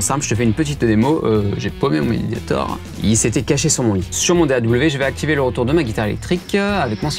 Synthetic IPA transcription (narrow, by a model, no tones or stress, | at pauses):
sɛ̃plʒə̥t̪əfɛynpət̪̬it̪d̪emoʔøʒepomemɔ̃mḛlḛd̪ja̰t̪ɔ̰ʁ | ilset̪ɛkaʃesyʁmɔ̃lisyʁmɔ̃d̪ead̪ubləveʒəvɛak̚t̪iveləʁət̪uʁd̪əmaɡʲit̪aʁelɛ̰k̚t̪χikavɛkmwã